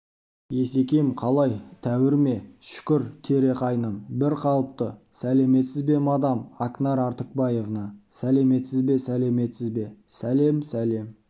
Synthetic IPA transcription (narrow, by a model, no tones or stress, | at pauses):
je̞s̬e̞kʲe̞jmqʰɑlˠɑjt̪ʰæwɪɾme̞ʃʏ̥kʲɪɾt̪ʰe̞ɾe̞qʰɑjnənbɪɾqʰɑlˠəp̚t̪ə | sæle̞me̞t̪sɪzbe̞mɑd̪ɑmɑknɑɾɑɾt̪ək̚bɑje̞vnɑsæle̞me̞t̪sɪzbe̞sæle̞me̞t̪sɪzbe̞sæle̞msæle̞m